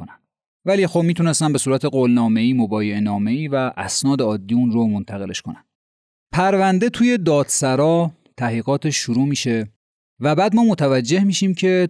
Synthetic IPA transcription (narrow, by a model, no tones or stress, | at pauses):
onæn | væliːxob̚miːt̪ʰune̞st̪æmbe̞suːɾæt̪ʰeɢoːlnɒːme̞iːmobɒːjeenɒːme̞iːvæʔæsnɒːd̪eɒːd̪ːiːunromont̪ʰæɣe̞le̞ʃkʰonæn̥ | pʰæɾvænd̪e̞t̪ʰuːje̞d̪ɒːd̪sæɾɒː | t̪ʰæhliːɣɒːt̪ʰeʃːuɾuːmiːʃe̞ | væbæːd̪mɒːmot̪ʰævæd͡ʒːe̞hmiːʃiːmcʰe̞